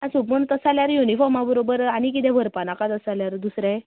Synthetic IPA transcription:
asupməɳt̪əsaljaɾjunifɔɾmabəɾobəɾañik̬it̪ɛ̃ʋʱəɾpanakat̪əsaljaɾd̪usɾɛ̃

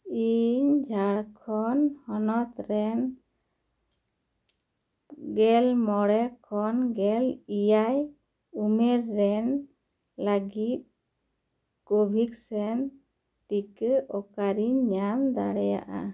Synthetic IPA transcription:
iɲd͡ʒʱaɽkʰɔnhɔnɔt̪ɾɛn | ɡɛlmɔɽɛkʰɔnɡɛlijaj | umɛɾːɛn | laɡit̪̚ | kobʱiksɛn | ʈikəʔɔkaɾiɲamd̪a̰ɽɛja̰ʔa̰

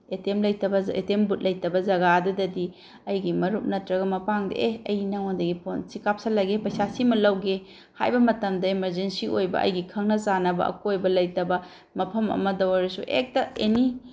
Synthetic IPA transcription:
etemlɐjtɐbɐḛtembut̚lɐjtɐbɐzɐɡadɐdɐdi | ɐjɡimɐɾuk̚nɐtɾɐɡɐmɐpaŋdɐ̰ʔeɐjnɐŋandɐɡipʰonsikap̚sɐlɐɡepɐjsasimɐlɐwɡe | ha̰jbɐmɐtɐmdɐimɐɾzensiʔojbɐ̰ʔɐ̰jɡikʰɐŋnɐsanɐbɐ̰ɐ̰kojbɐlɐjtɐbɐ | mɐpʰɐmɐ̰mɐdɐwɐɾɐsuʔek̚tɐeni

